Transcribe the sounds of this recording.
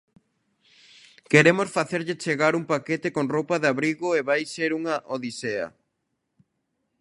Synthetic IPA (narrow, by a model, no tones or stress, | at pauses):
keɾemosfaθeɾʎɪt͡ʃeɣaɾuŋpaket̪ekoŋropɐðaβɾiɣoeβajseɾuŋɐʔoðiseɐ̰